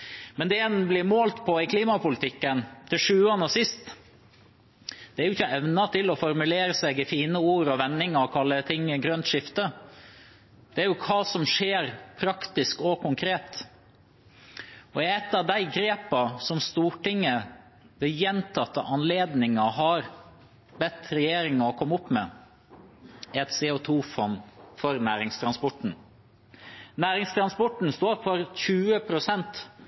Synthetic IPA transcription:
mɛnd̪ɛɛnblɪɾmoːlt̪pʰɔɪkʰliːmɑpʊlət̪ʰɪkːənd̪̥ɪʂʉːɑnəsɪst̪ | d̪̥ɛæɾjʊɪçːəɛʋnɑt̪ʰɪlɔfɔɾmʉleːɾəsɛɡɪfiːnəuːɾɔʋɛnːɪŋɑkʰɑlːət̪ʰɪŋːəɡɾœnt̪ʂɪft̪ə | d̪̥ɛæɾjʊkʰɑːsɔmʂeːɾpʰɾɑkt̪ɪskɔkʰʊŋkʰɾeːt̪ | ɔɛt̪ːɑʋd̪æɪɡɾeːpɑsɔmst̪uːʈɪŋːə | d̪ɛjɛnt̪ʰɑt̪ːəʔɑnleːd̪nɪŋɑɦɑɾ | bɛt̪ɾɛjeːɾɪŋɑɔkʰɔmːʊpːmɛ̰ | ɛt̪seːɔt̪ʰuːfɔnːfɔɾnæːɾɪŋst̪ʰɾɑnspɔʈɳ̩ | næːɾɪŋst̪ʰɾɑnspɔʈɳn̩st̪oːɾfɔɾçʉːəpʰɾʊsɛnt̪

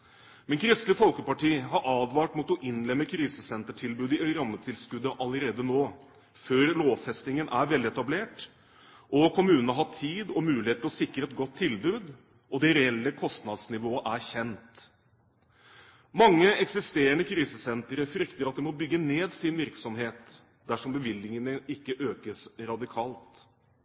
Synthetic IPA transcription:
mɛnkʰɾɪst̪lɪfɔlkəpɑʈʰiːɦɑɾʔɑːd̪ʋɑːʈmuːt̪ɔʔɪnlɛmːəkʰɾiːsəsɛnt̪əʈʰɪlbʉːd̪ɪʔœɾɑmːət̪ʰɪlskʉd̪ːəʔɑləɾeːd̪ənoː | føːɾloːʋfɛst̪ɪŋənʔæɾʋɛlɪɛt̪ɑbleːʈ | ʔɔkʰʊmʉːnənəɦɑʈ̪ʰiːd̪ɔmʉːlɪheːt̪lɔsɪkːɾəɛt̪̚ɡɔt̪ʰːɪlbʉːd̪ | ʔɔd̪ɛɾɛɛlːəkʰɔst̪nɑd̪snɪʋoːəʔæɾçɛnt̪ | mɑŋːəɛksɪst̪eːəɳəkʰɾiːsəsɛnt̪əɾəfɾʏkt̪əɾɑt̪̚d̪ɛmɔbʏɡːəneːd̪sɪnʋɪɾksɔmɦeːt̪ | d̪æʂɔmbəʋɪlːɪŋənəɪkːəʔøːkəsɾɑd̪ɪkʰɑːlt̪

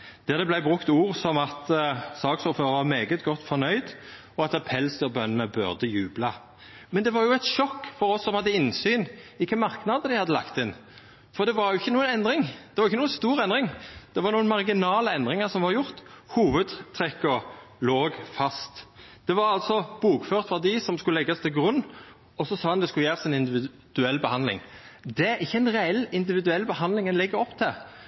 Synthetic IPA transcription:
d̪̥æʁd̪ɛblæɪbʁʉkt̪uːʁsɔmɑt̪sɑːksuːføːɾəʁʋɑʁmeːɡət̪ɡɔt̪ːfɔnœʏd̪ | ɔɑt̪ɑpʰɛlsəʁbœnənəbʉ̰ʁd̪əjʉːblɑ | mɛnd̪ɛʋɑɾjʊæt̪ʃɔkːfɔɾɔsːɔmhɑd̪ːəɪnsyːnɪkːəmɑʁknɑd̪əd̪æɪhɑd̪ːəlɑ̰kt̪ɪn | fɔɾd̪ɛʋɑɾjʊɪçːənuːənɛnd̪ɾɪŋd̥̪ɛʋɑɾjɪçːənuːənst̪uːɾɛnd̪ʁɪŋd̪̥ɛʋɑɾnuːənmɑʁɡɪnɑːləɛnd̪ɾɪŋəʁsɔmʋɑɾjʊɾt̪huːʋəd̪t̪ʰɾɛkːɔloːɡfɑst̪d̪̥ɛʋɑɾɑlt̪sɔb̥uːkføːʁt̪fɑd̪ɪsɔmskʉlɛɡːɑst̪ʰɪlɡɾʉnː | ɔsɔsɑːɑnd̪ɛskʉjæːɾɑsɛɪnɪnd̪ɪʋɪ | d̪̥ʉɛlːbəhɑnlɪ̰ŋd̪ɛɪçːəɛɪnʁɛɛlːɪnd̪ɪʋɪd̪ʉɛlːbəhɑnd̪lɪŋɛnlɛɡːəɾɔpːt̪ʰɪ

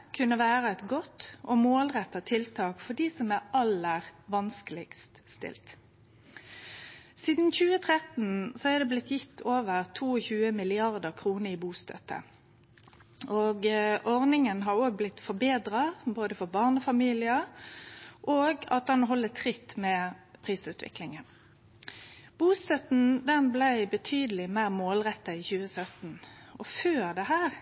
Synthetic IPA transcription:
kʰʉnːəʋæːʁəɛt̪ɡɔt̪ːʔɔmoːlʁɛt̪ːɑt̪ʰɪlt̪ʰɑːkfɔd̪iːsɔmæʁɑləʁʋɑnskəlɪ̰ɡst̪st̪ɪ̰lt̪ | siːd̪n̩çʉːət̪ʰʁɛt̪n̩sɔæd̪ɛblɪt̪jɪt̪ʰːoːʋəʁt̪ʰuːɔçʉːəmɪlɪɑʁd̪əʁkʰʁuːnəɾiːbuːst̪ʰœ̰t̪ːə̰ | ʔoːɡʔɔʁnɪŋənɦɑɾoːɡ̚blɪt̪fɔbeːd̪ɾɑboːd̪əfɔbɑʁnəfɑmiːlɪə | ʔoːɡɑ̰t̪̚d̪ɛnɦɔlːət̪ʰʁɪt̪ːmɛpʰʁiːsʉːt̪ʋɪ̰klɪŋən | b̥uːst̪œt̪n̩d̪ɛnblæɪbət̪ʰyːd̪əlɪmæɪʁmoːlʁɛt̪ːəɪçʉːəsœt̪n̩ʔɔføːɾd̪ɛɦæːʁ

